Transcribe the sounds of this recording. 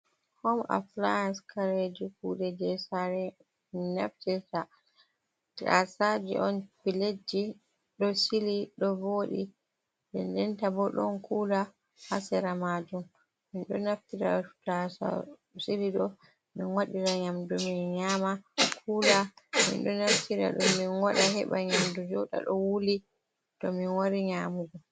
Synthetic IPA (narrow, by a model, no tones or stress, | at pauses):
hɔmʔa̰flajanskaɾed͡ʒikuɗɛd͡ʒɛsaɾɛ | minaftiɾta | ta̰sad͡ʒḭʔɔnpiled͡ʒːi | ɗɔsiliɗɔvoɗḭ | bɛndɛntabɔɗɔ̰nkuːla | hasɛɾamad͡ʒum | minɗɔnaftiɾa̰tasa̰ | siliɗɔ | minwaɗiɾaɲamduminɲaːmakʰuːlamḭnɗɔnaftiɾa̰ɗɔminwaɗahɛɓaɲamdud͡ʒɔɗa̰ɗɔwuli | tɔminwaɾiɲamuɡɔ